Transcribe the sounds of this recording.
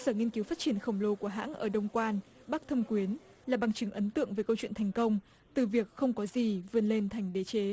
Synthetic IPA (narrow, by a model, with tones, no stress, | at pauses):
səː˧˩ŋi˧nki˨˦wfaː˦˥t͡ɕi˧˩ənxə˧˩wŋ͡mlo˧ku˧˩əɦa̰ː˧˥nʔəː˧˩ɗə˧wŋ͡mkwaː˧n | ɓa˦˥k̚t̪ʰə˧mkwi˨˦ən | laː˨˩ɓa˨˩ŋt͡ɕɨ˨˦ŋʔə˨˦nt̪ɨ̰˧˨əŋvəː˨˦jkə˧wt͡ɕwḭ˧˨nt̪ʰjŋ̟kə˧wŋ͡m | t̪ɨ˨˩vi˨˩ək̚xə˧wŋ͡mkɔ˨˦zi˨˩vɨ˧˩ənle˧nt̪ʰa˨˩jŋ̟ɗe˨˦t͡ɕe˨˦